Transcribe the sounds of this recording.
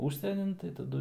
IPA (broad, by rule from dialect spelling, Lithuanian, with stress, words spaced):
ˈuːʃʲsʲiɛnʲɪn tɐɪ tɐˈdʊ